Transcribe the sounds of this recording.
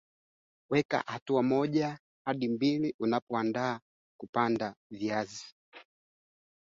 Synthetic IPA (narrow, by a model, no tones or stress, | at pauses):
wɛka̰hatuamɔʄa | haɗimbiliʔunapɔandaː | kupandaviazi